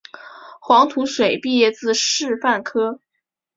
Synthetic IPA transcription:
xwɑ˧˥ŋt̪ʰu˧˥ʂwe˨˩ɪpi˥˧jɛ˥˧t͡sɹ̩˥˧ʂɻ̩˥˧fa˥˩nkʰɤ˥

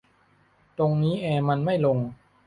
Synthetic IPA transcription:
t̪o˧ŋniː˦˥ʔɛː˧ma˧nma˥˩jlo˧ŋ

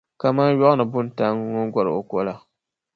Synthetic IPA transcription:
ka˨ma˦jɔ˦ʔʊ˦nɨ˨bʊ˦n˦ta˦ŋ˦ŋo˦ɡʷɔ˦ɾɨ̰˨o˨ko˦la˨

